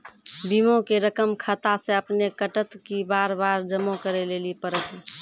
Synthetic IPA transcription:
bimõkeɾəkəmkʰət̪asẽəpnekəʈət̪kibaɾbaɾd͡ʒəmokəɾelelipəɾət̪i

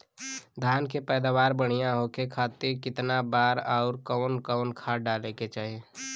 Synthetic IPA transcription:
d̪ʱaːnkepɛːd̪aːwaːɾbəɽ̤̃ijãɦokekʰaːt̪ɪɾkɪt̪nabaːɾɔːʊɾkɔːnkɔːnkʰaːɖaːleket͡ʃaːɦie

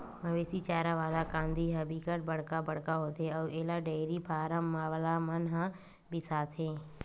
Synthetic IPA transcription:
mɐʋeːsit͡ʃaːɾaʋaːd̪akãːnd̪ʱiɦɐbʱikəʈ̚bɐɽ̤kabɐɽ̤kaɦoːt̪eɔːeːlaɖeːɾipʰaːɾəmːaːʋlamənɦã | bʱisaːt̪ʰɦẽː

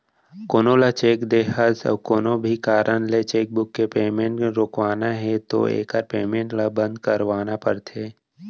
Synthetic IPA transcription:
koːnõlat͡ʃeːkd̪eːɦazə̰bkoːnõbʱikaːɾʔənlet͡ʃeːk̚bʊkːepeːmẽːɳʈɾoːkʋaːnaɦɛt̪o̰ḛːkaɾpeːmẽɳʈlabə̃nd̪kəɾʋaːnapəɾt̪ʰeː

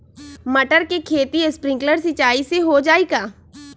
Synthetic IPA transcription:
məʈəɾkekʰeːt̪iespɾɪ̃ŋɡləɾsɪt͡ʃaːiseɦod͡ʒaːeːɡaː

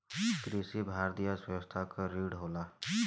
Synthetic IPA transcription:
kɾisibʱaːɾt̪ijasest̪ʰakaɾiːɽɦoːlaː

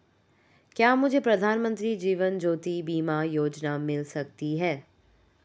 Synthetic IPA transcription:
kjaːmʊd͡ʒʱepɾɐd̪ʱaːnmə̃nt̪ɾid͡ʒiːʋənd͡ʒoːt̪ibiːmajoːd͡ʒnamɪlsɐk̚t̪iɦɛː

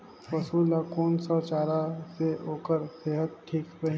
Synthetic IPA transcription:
pɐsuːlakoːnsɔt͡ʃaːɾaseoːkəɾseːɦət̪̚ʈʰiːkɾɐɦĩ

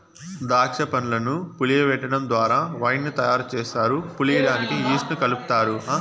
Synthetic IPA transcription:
d̪aːt͡ʃɐpɐnulɐnupulijɐʋɛʈːɐɽɐnd̪ʋaːɾaːʋɐjnːut̪ɐjaːɾut͡ʃɛːʃaːɾupulilaːniʈiiːsnukɐlupu̥t̪aːɾu

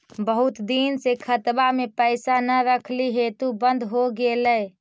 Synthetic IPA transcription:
bəɦut̪d̪insekʰət̪bamepəɪsanəɾəkʰliɦet̪ubənd̪ʱɦoɡeləj

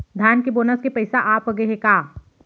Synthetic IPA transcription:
d̪ʱjaːnkeboːnəskepɐɪsaʔaːpɐɡeɦekaː

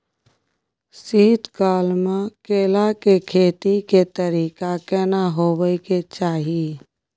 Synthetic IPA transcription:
siɦɪt̪kaːlmãkeːlakekʰeːt̪iket̪əɾiːkakɛːnaɦoːbəiket͡ʃaːɦi

